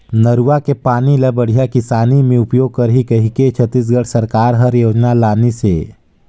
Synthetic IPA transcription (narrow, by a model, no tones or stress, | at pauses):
nəɾuʋakepaːniləbəɽ̤ijakɪsaːnimẽʊpjoːɡ̚kəɾɦikəɦiket͡ʃʰət̪ːis̬ɡəɽsəɾkaːɾɦəɾjoːd͡ʒnalaːnise